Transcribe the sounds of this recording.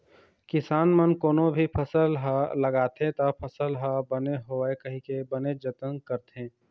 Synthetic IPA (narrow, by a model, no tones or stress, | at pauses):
kɪsaːnmənkoːnõbʱipʰɐsəlɦaləɡaːt̪et̪apʰəsəlɦabəneɦoːekɐɦĩkebəned͡ʒət̪ənkəɾt̪ẽː